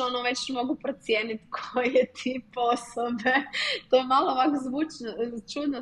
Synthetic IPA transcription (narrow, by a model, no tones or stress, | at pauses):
onoʋe̞t͡ɕmo̞ɡupɾot̪sjeːnit̪kʰojet̪ʰiposobet̪ojemalˠoʋakzʋuːt͡ʃnot͡ʃud̪no